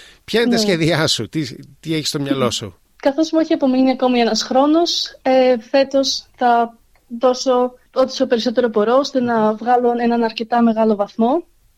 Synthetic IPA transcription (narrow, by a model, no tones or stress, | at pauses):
pçɐnt̪sçeðiɐsut̪it̪ieçist̪o̞mɲɐlo̞sṵ | kɐθo̞zmueçiɐpo̞miniɐko̞mie̞nɐsxɾo̞no̞sefe̞t̪o̞sθɐ | ðo̞so̞ | ot̪i̥sope̞ɾiso̞t̪e̞ɾo̞po̞ɾo̞ost̪enɐvɣɐlo̞e̞nɐnɐɾce̞t̪ɐme̞ɣɐlo̞vɐθmo̞